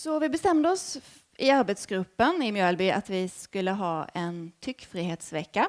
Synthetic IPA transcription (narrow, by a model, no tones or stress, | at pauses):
sɔvɪbɛst̪ɛmd̪əɔs | ʔɪaɾbɛt̪sɡɾɵpːənɪmjœːlbya̰t̪vɪskɵlːəɦɑːɛnt̪ʰʏkːfɾiːheːt̪svɛkːa